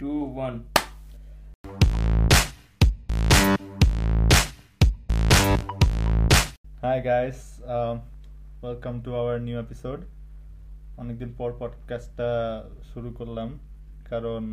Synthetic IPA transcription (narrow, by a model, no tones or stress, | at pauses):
ʈuwʌn | hajɡajz | wɛlkʌmtuawəɹnjuepisoɖ | ɔnek̚d̪inpɔɹpɔɖkasʈːa | suɹukoɹlam | kaɹɔn